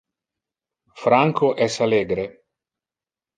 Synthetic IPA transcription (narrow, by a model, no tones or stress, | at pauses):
fɾaŋkʰoʔɛsaleːɡɾe